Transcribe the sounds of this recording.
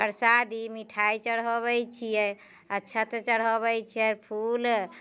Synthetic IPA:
pəɾsad̪imiʈʰajt͡ʃəɽɦɔβɛjt͡ʃʰijɛ | ətːt͡ʃʰat̪ɔt͡ʃəɽɦɔβɛt͡ʃʰijɛpʰul

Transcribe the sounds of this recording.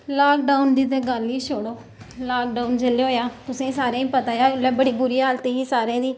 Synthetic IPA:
laːkɖaːʊnd̪iːt̪̬eːɡəlːiːʃoɽoː | laːkɖaːʊnd͡ʒəleoːjaːt̪ʊsẽːsaːɾẽːĩːpət̪aːjaːleːbəɽiːbʊɾiːɦaːlt̪iːɦiːsaːɾẽːd̪iː

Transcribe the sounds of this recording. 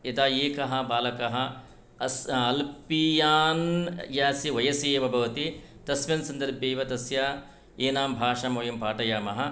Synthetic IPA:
ed̪aːjeːkɐɦɐ̆baːlɐkɐɦɐ̆ | sɐlpijaːnjaːsiʋɐjɐseːʋɐbʱɐʋɐt̪i | t̪ɐsmɐnsɐnd̪ɐɾbʱjɐːjʋɐt̪ɐsjaː | eːnaːmbʱaːʂɐmoːjɐmpaːʈɐjaːmɐɦɐ̆

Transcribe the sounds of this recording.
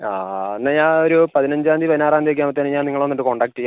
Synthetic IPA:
aːenːaɲaːnoɾupɐðinɐɲd͡ʑaːnd̪ipɐðinaːraːnd̪iek̬ʲːaːmɐt̪ːaːneɲaːniŋːɐɭo̞nːiʈːɨko̞ɳɖaːk̚ʈːija

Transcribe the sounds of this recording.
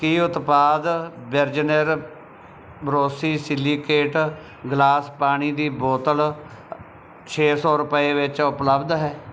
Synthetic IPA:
kiːʊt̪paːd̪bəɾd͡ʒnəɾ | bəɾoːsiːsɪlːiːkeːʈ | ɡlaːspaːñiːd̪iːboːt̪əl | t͡ʃʰeːsɔːɾʊpəeːʋɪt͡ʃʊpləbd̪ɦɛː

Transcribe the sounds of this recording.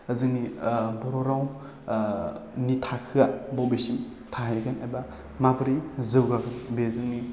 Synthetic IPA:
əzɯŋnibɔɾɔɾaw | nitʰakʰɯabɔbesim | tʰaɦejɡanajba | mabɾizɯwɡaɡɯnbezɯŋni

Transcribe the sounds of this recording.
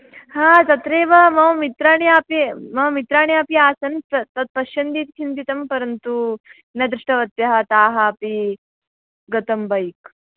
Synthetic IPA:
haːt͡sɐt̪ɾeːʋɐmɐʋɐmit̪ɾaːɳ̃jaːpimɐʋmit̪ɾaːɳjaːpiaːsɐnt̪t̪ɐt̪̚pɐʃjɐnd̪iːt̪kʰint̪it̪ɐmpɐɾɐnt̪u | nɐd̪ɾiʂʈɐʋɐt̪jɐɦɐ̆t̪aːɦɐːpi | ɡɐt̪ɐmbʱɐjk

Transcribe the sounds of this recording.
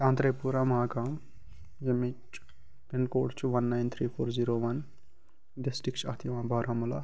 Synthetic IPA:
jãːnt̪ɾejpuɾamɦãkã | jemit͡ʃ | penkoːʈt͡ʃʰuʋɐnːajnt̪ʰɾiːpʰoːɾziɾoʋɐn | ɖisʈɾikt͡ʃʰɐt̪ʰiʋãːbʱaɾʔãmula

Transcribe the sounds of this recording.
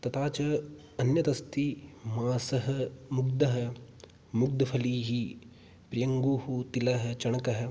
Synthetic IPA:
t̪ɐt̪aːt͡ʃɐ | ɐnjɐt̪ɐst̪imaːsɐɦɐmʊɡd̪ɐɦɐ̆ | mʊɡ̚d̪ɐpʰɐliːɦi | pɾɐjɐŋɡuːhut̪ilɐɦɐ̆t͡ʃɐɳ̃ɐkɐɦɐ̆

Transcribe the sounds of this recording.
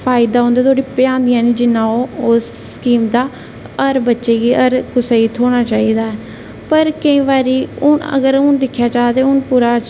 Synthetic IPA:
pʰaːɪd̪aːɦõːnd̪aːt̪ʰoːɽiːpɪjãːnd̪ɪjãːnĩːd͡ʒɪnːãːoːosːkiːmd̪aː | əɾbətːʃeːɡiːəɾkʊseːiːt̪ʰoːɽ̃aːt͡ʃaːiːd̪aːɛː | pəɾkəĩːʋaːɾiːʊnə̰ɡəɾʊnd̪ɪkʰːjaːt͡ʃaːd̪eːʊnpuːɾaː

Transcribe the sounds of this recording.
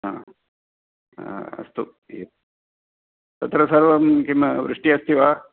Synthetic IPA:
a | ɐ̰st̪u | ḛt̪̚ | t̪ɐt̪ɾɐsɐɾʋɐmkimʋɾɨʂʈiɐst̪iʋa

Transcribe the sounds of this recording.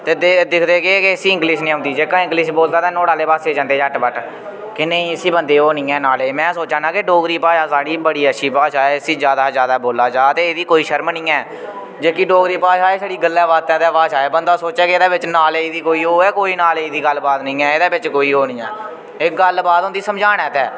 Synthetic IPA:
t̪eːd̪ed̪ɪkʰd̪eːkeːkeɪsiːɪ̃ŋɡliːʃnĩːʊ̃ːnd̪iːd͡ʒeːkãːɪ̃ŋɡliːʃboːld̪aːt̪ãːnõːɽaːleːpaːseːd͡ʒãːnd̪eːd͡ʒəʈbəʈ | kɪnẽːiːəsiːbənd̪eːoːnĩːɛːnaːleːmɛ̃ːsoːt͡ʃãːnãːkeɖoːɡɾiːpaːʃaːsaːɽiːbəɽiːəʃʰiːpaːʃaːeːɪsiːd͡ʒjaːd̪aːzjaːd̪aːboːlaːd͡ʒaːt̪eːeːd̪iːkoːiːʃəɾmnĩːɛː | d͡ʒeːkiːɖoːɡɾiːpaːʃaːeːsaːɽiːɡəlːɛːʋaːt̪ɛːt̪ɛːʋaːʃaːeːbənd̪aːsoːt͡ʃɛːkeɪːd̪aːbɪt͡ʃnaːleːɪːd̪iːkoːiːoːɛːkoːiːnaːleːɪːd̪iːɡəlbaːd̪nĩːɛːɪːd̪aːbɪt͡ʃkoːiːoːnĩːɛː | ɪk̚ɡəlbaːd̪oʊnd̪iːsəmd͡ʒaːnɛːt̪ɛː

